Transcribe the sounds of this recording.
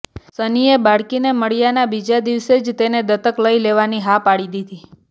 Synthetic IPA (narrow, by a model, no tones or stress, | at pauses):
sənijebaɽkineməɽjanabid͡ʒad̪iʋsed͡ʒt̪ened̪ət̪əkləileʋaniɦapaɽid̪id̪i